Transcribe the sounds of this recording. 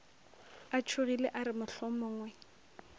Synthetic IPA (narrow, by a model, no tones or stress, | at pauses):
at͡ʃʰʊɣilḛʔaɾɪmʊɬɔmʊŋwɛ